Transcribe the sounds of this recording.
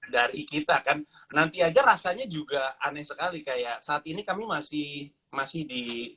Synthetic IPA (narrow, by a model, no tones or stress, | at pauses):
daɾikit̪akan | nant̪iad͡ʒaɾasaɲad͡ʒuɡaanɛsəkalikajaʔsaːt̪̚inikamimasɪhh | masɪhdi